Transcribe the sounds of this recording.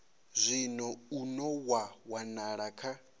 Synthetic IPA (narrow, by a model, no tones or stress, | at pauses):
zʷinɔunɔwawanaɺakʰa